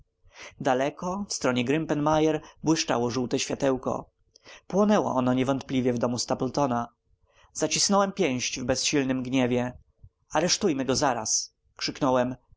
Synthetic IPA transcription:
d̪alɛkɔfst̪ɾɔɲɛɡɾɘmpɛnmajɛɾbwɘʂt͡ʂa̰wɔʐuwt̪ɛɕfʲat̪ɛwkɔ̰ | pwɔnɛwɔ̰ʔɔnɔɲɛvɔnt̪plʲivʲjɛvd̪ɔmust̪apɛlt̪ɔna | z̥at͡ɕisnɔwɛmpʲjɛ̃w̃ɕt͡ɕvbɛsɕilnɘmɡɲɛvʲjɛ | aɾɛʂt̪ujmɘɡɔzaɾa̰s | kʂɘknɔwɛm

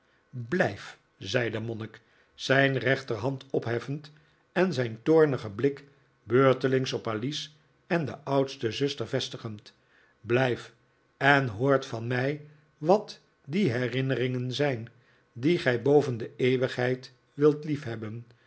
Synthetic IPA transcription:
blɛjf | zɛjdəmɔnɪk | sɛjnrɛχtərɦɑntɔpɦɛfənt | ɛnzɛjntʊːɹnəχəblɪk | bøːɹtəlɪŋsɔpalis | ɛndəʔɑwtstəzɵstəɹvɛstəχənt | blɛjf | ɛnɦoːɹtfɑnmɛj | ʋɑt | diɦɛrɪnərɪŋənzɛjn | diχɛjbowvəndəeːʋəχɦɛjt | ʋɪlˠtlifɦɛbən

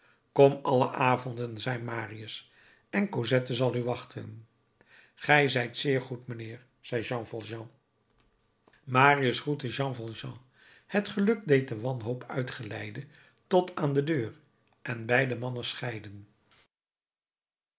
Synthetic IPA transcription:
kɔmɑlə̰ʔaːvɔndənzɛjmaːriəs | ɛnkozɛtəzɑlˠyʋɑχtʰə̰n | χɛjzɛjtsɪːɹχutmənɪːɹ | z̥ɛjʒɑ̃ːfɑlˠʒɑ̃ | maːriəsrutəʒɑ̃ːvɑlˠʒɑ̃ | hətχəlɵk̚dejt̚dəʋɑnɦowpʰœ̰ɥtχəlɛjdə | tɔtaːndədøːr | ʔɛnbɛjdəmɑnəsχɛjdən

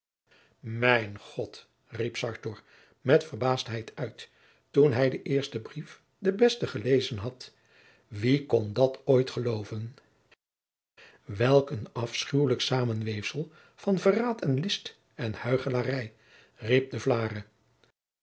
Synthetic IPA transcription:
mɛjnχɔt | ripsɑɹtɔɹ | mɛtfərbaːstɦɛjtʰœɥtː | unɦɛjdəʔɪːɹstəbrif | dəbɛstəχəlejzənɦɑt | ʋikɔndɑtojtχəlowvən | ʋɛlˠkənɑfsχywləksaːmənʋejfsəlˠ | v̥ɑnvəraːtɛnlɪst | ɛnhœɥχəlarɛj | rip̚dəvlaːrə

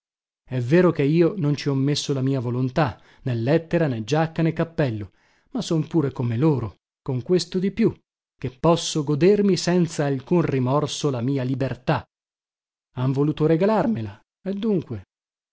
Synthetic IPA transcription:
ɛvːeːɾokeiːonont͡ʃiɔmːesːolamiːavolont̪a | nelːɛt̪ːeɾaned͡ʒakːanekːapːɛlːo | masːompuːɾekomeloːɾo | koŋkwest̪od̪ipju | k̟epːɔsːoɡod̪ermisɛnt̪saːlkunrimɔrsolamiːalibert̪a | aɱvoluːt̪oɾeɡalarmela | ed̪ːuŋkwe

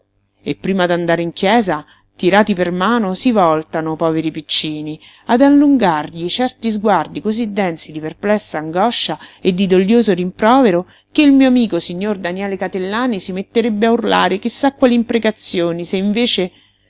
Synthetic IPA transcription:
epːɾiːmad̪and̪aːɾeiŋkjɛːza | t̪iɾaːt̪ipermaːnosivɔlt̪anopɔːveɾipit͡ʃːiːni | ad̪alːuŋɡarʎit͡ʃɛrt̪izɡward̪ikozid̪ːɛnsid̪iperplɛsːaːŋɡɔʃːaed̪ːid̪oʎːjoːzoɾimpɾɔːveɾo | keilmiːoamiːkosiɲːord̪anjɛːlekat̪elːaːnisimet̪ːeɾebːeaurla̰ːɾek̟isːakːwaːliimpɾekat̪sːjoːniseiɱveːt͡ʃe

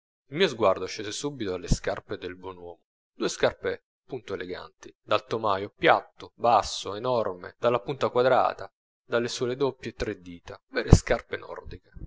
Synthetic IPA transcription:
ilmiːozɡward̪oʃeːzesubit̪oalːeskarped̪elbwɔnwɔːmo | d̪̥uːeskarpe | punt̪oeleɡa̰nt̪id̪alt̪omaːjopjat̪ːobasːoenɔrmḛd̪alːapunt̪akwad̪ɾa̰ːt̪a | d̪alːesuːled̪opːjet̪ːɾed̪iːt̪avɛːɾeskarpenʔɔ̰rd̪ike̥

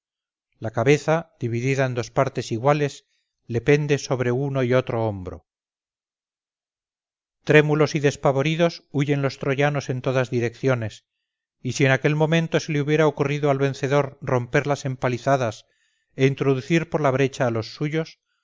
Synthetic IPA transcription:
lakaβe̞θað̥iβiðiðaend̪o̞spaɾt̪e̞siɣwale̞s | le̞pe̞nd̪e̞so̞βɾe̞uno̞io̞t̪ɾo̞ombɾo̞̰ | t̪ɾe̞mulo̞siðe̞spaβo̞ɾiðo̞suʝe̞nlo̞st̪ɾo̞ʝano̞se̞nt̪o̞ðazðiɾe̞kθjo̞ne̞s | isie̞nake̞lmõ̞mẽnt̪o̞se̞leuβje̞ɾaokuriðoalβẽ̞nθe̞ðo̞ɾro̞mpe̞ɾlase̞mpaliθaðas | e̞int̪ɾoðuθiɾpo̞ɾlaβ̞ɾe̞t͡ʃaːlo̞sːuʝo̞s

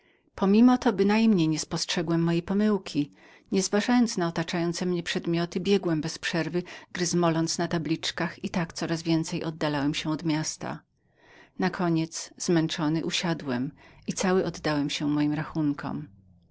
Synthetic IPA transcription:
pʰɔmʲimɔt̪ɔbɘnajmɲejɲɛspɔstʂɛɡwɛmːɔjɛpɔmɘwkʲʰi | ɲɛzvaʐajɔnt̪snaɔt̪at͡ʂajɔnt̪sɛmɲɛpʂɛd̪mʲjɔt̪ɘbʲjɛɡwɛmbɛspʂɛɾvɘɡɾɘzmɔlɔnt̪snat̪ablʲit͡ʂkaxit̪akt̪sɔɾazvʲjɛnt̪sɛjʔɔd̪̚ːalawɛmɕɛɔd̪mʲjast̪a̰ | nakʰɔɲɛt̪szmɛnt͡ʂɔnɘʔuɕad̪wɛmit̪sawɘʔɔd̪ːawɛmɕɛmɔjimɾaxunkʰɔ̰m

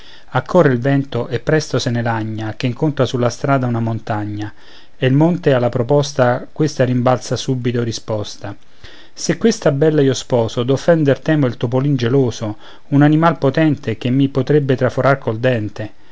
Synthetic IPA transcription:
akʰːɔrːeilvɛnt̪oʔepːɾɛst̪osenelaɲːak̟eiŋkont̪ɾasulːast̪ɾaːd̪aunamont̪aɲːa | eilmont̪ealːapɾopɔst̪akwest̪aɾimbalsasubit̪oɾispɔst̪a | sekːwest̪abːɛlːaiospɔːsod̪ofːɛnd̪ert̪ɛːmoilt̪opolind͡ʒeloːso | unanimalpot̪ɛnt̪ek̟emːipot̪ɾebːet̪ɾafoɾarkold̪ɛnt̪e

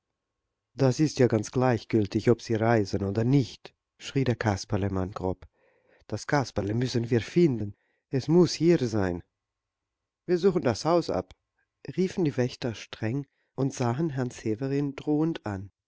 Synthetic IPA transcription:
d̥asɪstjaːɡant͡sɡ̥laɪçɡ̥ʏltɪçɔpz̥iːʁaɪzənoːdɐnɪçt | ʃʁ̥iːdeːɐkʰaspaləmanɡ̥ʁɔp | d̥askʰaspaləmʏsənviːɐfɪndən | ʔɛsmʊshiːɾzaɪn | viːɐzuːxn̩dashaʊsa̰p | ʁiːfn̩diːvɛçtɐʃtʁ̥ɛŋ | ʔʊntz̥aːɦənɦɛɐnt͡seːvəʁɪndʁoːəntʔan

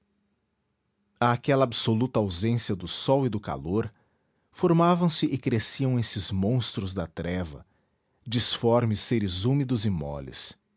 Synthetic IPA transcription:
ɐːkɛlɐabsolut̪ɐawzẽsiɐd̪ʊsɔwɪd̪ʊka̰loɾ | foɾmavɐ̃w̃sɪʔɪkɾesiɐ̃w̃esɪzmõw̃st̪ɾʊzd̪ɐt̪ɾɛvɐ̰ | d͡ʒisfɔɾmɪsːeɾɪzumid̪ʊzɪmɔ̰lɪ̰s

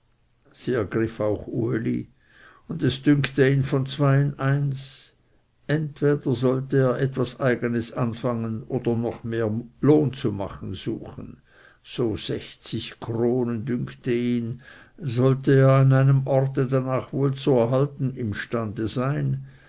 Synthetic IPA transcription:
z̥iːɛɐɡʁɪfaʊxuelḭ | ʊndɛsd̥ʏŋktəiːnfɔnt͡sv̥aɪənaɪns | ʔɛntv̥eːdɐzɔltəeːɐʔɛtv̥asaɪɡənəsanfaŋənoːd̥ɐnɔχmeːɐloːnt͡suma̰χən̩z̥ṵːxən̩ | z̥oːz̥ɛçt͡sɪçkʰroːnəndʏŋkʰtəiːn | zɔlteeːɐanaɪnəmɔʁtədanaːχvoːlt͡suɛɐɦaltn̩ɪmʃtandəzaɪn

